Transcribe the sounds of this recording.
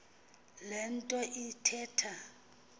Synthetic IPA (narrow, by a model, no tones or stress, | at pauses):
lɛn̩tʼɔʔitʰɛːtʰa